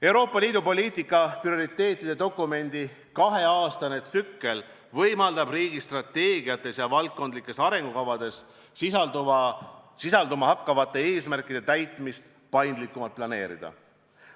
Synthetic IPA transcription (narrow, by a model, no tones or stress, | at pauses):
e̞wɾoːpːˑɑliːd̪upo̞lʲiːt̪ˑikːˑɑprio̞ɾit̪ːe̞ːt̪ːˑid̪̥e̞t̪o̞kːˑume̞nʲd̪̥i | kɑɦe̞ɑːst̪ɑne̞t̪sykːe̞l | vɤjmɑld̪̥ɑbriːɡ̥ist̪rɑt̪ːe̞ːɡiɑt̪ːˑe̞sjɑvɑlt̪̚ko̞nd̪likːˑe̞sɑɾe̞ŋɡ̥ukɑvɑd̪e̞s | siɑ | sisɑld̪umɑhɑkːɑvɑt̪ːˑe̞e̞ːsmærkːˑid̥̪e̞t̪æjt̪ˑmist̪ | pɑjnd̪likːˑumɑlt̪̚plɑne̞̰ːɾḭd̪̥ɑ̰